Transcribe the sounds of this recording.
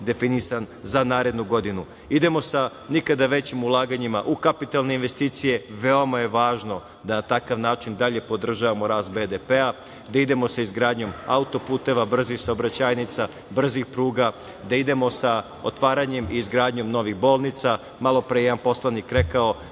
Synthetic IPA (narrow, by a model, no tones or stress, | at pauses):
d̪e̞finisanzanaːɾe̞d̪nuɡo̞d̪inu | id̪e̞mo̞sa | nikad̪aʋe̞t͡ɕimulˠaːɡaɲimaʔukapit̪alˠne̞inʋe̞st̪iːt̪sije̞ʋe̞o̞maje̞ʋaːʒno̞ | d̪anat̪akaʋnaːt͡ʃind̪aʎe̞po̞d̪r̩ʒaʋamo̞ɾaːst̪̚be̞d̪epea | d̪aid̪e̞mo̞saizɡɾaːd̪ɲo̞ma̰ut̪o̞puːt̪e̞ʋabr̩zixsaobɾat͡ɕaːjnit̪sa | br̩zixpɾuːɡa | d̪aid̪e̞mo̞sa | ot̪ʋaːɾaɲe̞miːzɡɾaːd̪ɲo̞mno̞ʋixbo̞ːlˠnit̪sa | malˠo̞pɾejjeanpo̞slanikɾe̞kao̞